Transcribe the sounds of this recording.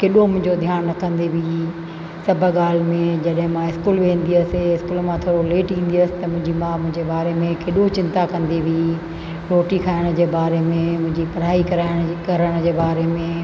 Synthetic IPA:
keɗomʊ̃ɦɪ̃ɲd͡ʑod̪ʱjaːnːɐkɐ̃nd̪eʋʱi | sɐbʱəɠaːl̤mẽd͡ʑɐɗɦɪ̃mãɪskuːlʋẽːnd̪iəsɪɪskuːlmãt̪ʰoːɽoleːʈĩːn̆d̪iɐsɪ̥̆t̪ɐmʊ̃ɦɪ̃ɲd͡ʑimãmʊ̃ɦɪ̃ɲd͡ʑebaːɾemẽkeɗot͡ɕɪ̃nt̪akɐ̃nd̪eʋʱi | ɾoːʈikʰaːɪɽ̃d͡ʑeːbaːɾemẽmʊ̃ɦɪ̃ɲd͡ʑipɐɾaːikɐɾaːɪɽ̃kɐɾəɽ̃d͡ʑeːbaːɾemẽ

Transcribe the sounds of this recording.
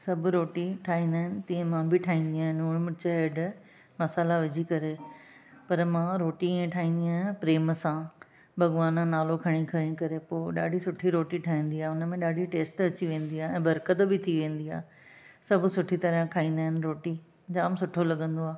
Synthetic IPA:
sɐbʱʊɾoːʈiʈʰaːɦĩːnd̪aːɦɪnɪ̆t̪ĩːẽmãːbɪʈʰaːɦĩːn̆d̪iaːɦɪnʊɽ̃mʊt͡ɕɐeɖ | mɐsaːlaʋɪd͡ʑʱikɐɾe | pɐɾmãːɾoːʈiĩːẽʈʰaːɦĩːnd̪iaːɦɪpɾeːmsã | bʱɐɠʋaːnənaːlokʰɐɽ̃ikʰɐɽ̃ĩkɐɾepoːɗa̰ːɖʱisʊʈʰiɾoːʈiʈʰaːɦĩːn̆d̪iaːɦʊnəmẽɗaːɖʱiʈeːsʈɐt͡ɕiʋẽːn̆d̪iaːɛ̃ːbɐɾkət̪bɪt̪ʰiʋẽːn̆d̪ia̰ː | sɐbʱʊsʊʈʰit̪ɐɾjãkʰaːĩːnd̪aːɦɪnɪ̆ɾoːʈi | d͡ʑaːmsʊʈʰolɐɠə̃nd̪oaː

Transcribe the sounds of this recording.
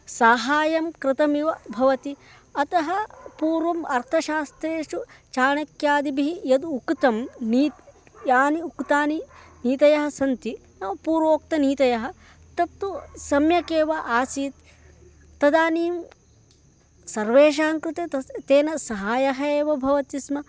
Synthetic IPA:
sɐɦaːjɐmkɾɪt̪ɐmiʋɐbʱɐʋɐt̪i | ɐt̪ɐɦɐpuːɾʋɐmɐɾt̪ʰɐʃaːst̪ɾeːʂu | t͡ʃaːɳɐkjaːd̪ibiɦijɐd̪ukt̪ɐmniː | jaːniukt̪aːniniːt̪ɐjɐɦɐ̆sɐnt̪i | nɐpuːɾʋoːk̚t̪ɐniːt̪ɐjɐɦɐ | t̪ɐt̪ːusɐmjɐkeːʋɐʔaːsiːt̪ː | ɐd̪aːniːm | sɐɾʋeːʃ̬aːŋkɾɪt̪et̪ɐt̪eːnɐsɐɦaːjɐɦɐeːʋɐbʱɐʋɐt̪ismɐ

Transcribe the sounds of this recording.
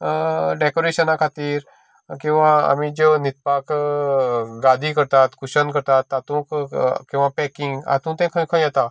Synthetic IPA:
ɖekoɾeɕənakʰat̪iːɾ | kĩw̃ʋaa̰mid͡ʑenit̪̚pak | ɡad̪ʱikəɾt̪at̪kuɕənkəɾt̪at̪ːat̪ũkkĩw̃ʋapɛkiŋɡa̰t̪ũt̪ɛ̃kʰə̃kʰə̃jjɛt̪a

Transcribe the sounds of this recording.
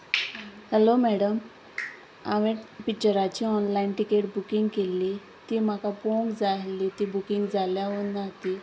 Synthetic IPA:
həlomɛɽəm | a̰ʋepikt͡ɕəɾat͡ɕiːɔnlainʈikeʈbukiŋɡkelːiː | t̪iːm̤akapõŋkd͡zaɦlit̪iːbukiŋɡd͡zʱaljaɦonaɦt̪iː

